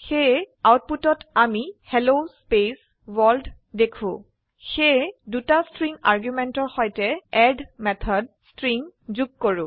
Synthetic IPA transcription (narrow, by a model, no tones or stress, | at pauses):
xejawt̚putɔtamihelospes | wɔld | dekʰʊ̰̃ | xejdutastɹiŋaɹɡjumɛntɔɹxɔjtɛɛdmɛt̪ʰɔd̚stɹiŋzuɡ̚koɹʊ̃